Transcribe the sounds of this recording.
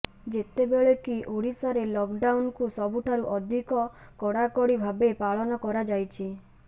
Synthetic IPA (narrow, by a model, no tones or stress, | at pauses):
d͡ʒet̪ebeɭekiʔoɽisaɾelɔkɖawnkusɔbuʈʰaɾuʔɔd̪ʱikɔkɔɽakɔɽibʱabepaɭɔnɔkɔɾad͡ʒajt͡ʃʰi